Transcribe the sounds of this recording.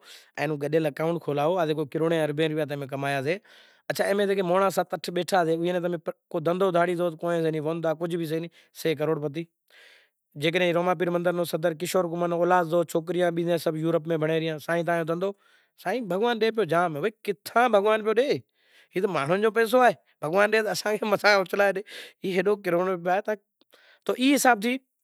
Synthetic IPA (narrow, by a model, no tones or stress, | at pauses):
ɛ̰̃ːnũːɡəɗeːlɐkaːʊ̃ɳʈ̚kʰoːlaːoːaːzeːk̬oːkɪɾoːɽẽːɐɾbẽːɾʊʋjaːt̪̬ẽːmẽk̬ɐmaːjaːzeː | ɐt͡ʃʰaːẽːmẽt̪eːkeːmoːɳãːsat̪əʈʰɓeːʈʰaːzeːʊẽːnẽːt̪əmẽkoːd̪ə̃nd̪oːd̪ʱaːɽiːzoːt̪koːnẽːs̬enĩːʋoːnt̪aːkʊd͡ʒʱbʱis̬ənĩː | seːk̬əɾoːɽpət̪̬iː | d͡ʒeːk̬əɗẽːɾoːmãːp̬iːɾmənd̪əɾnõːsəd̪əɾk̬ɪʃoːɾɡʊmənoːlaːzoːt͡ʃʰoːk̬ɾɪjãːɓiːd̪jãːsəbjuːɾəpmẽːbʱəɽeːɾɪjãːsaːĩːt̪̬aːjõːd̪ə̃nd̪oː | saːĩːbʱəɡʋaːnɗeːp̬ɪjoːd͡ʒaːmẽʋoːkɪt̪ʰãːbʱəɡʋaːnpɪjoːɗeː | ɦiːt̪maːɳ̤ʊnd͡ʒoːpɛːs̬oːaːɦeː | bʱəɡʋaːnɗeːt̪əsãːkʰeːmət̪ʰaːot͡ʃəlaːeɗeːiːɦeɗoːkɪɾoːɳopːaːɦeːt̪a | t̪oːʔiːɦɪsaːb̚t̪ʰiː